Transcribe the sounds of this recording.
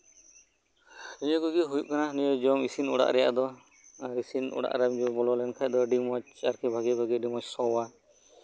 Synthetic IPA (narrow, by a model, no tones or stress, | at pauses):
iɲɔɡuɡiɦujup̚kananijɔd͡ʒɔŋisinɔ̰ɽa̰ʔɾɛja̰ʔd̪ɔ | ɾisinɔ̰ɽa̰ʔɾamd͡ʒubɔlɔlɛnkʰac̚d̪ɔɖimɔt͡ʃaɾkʰɛbʱaɡɛbʱaɡɛɖimɔt͡ʃsɔwa